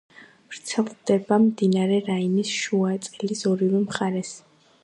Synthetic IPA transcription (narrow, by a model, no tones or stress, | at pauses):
vɾt̪sʰɛlˠd̪ɛbamd̪inaɾɛɾainisʃuat̪sʼɛlisɔɾivɛmχaɾɛs